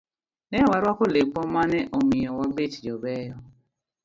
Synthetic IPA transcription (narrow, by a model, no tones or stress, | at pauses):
nɛwaɾakolek͡pɔmanɛʔomijɔwɔbetid͡ʒɔbɛjɔ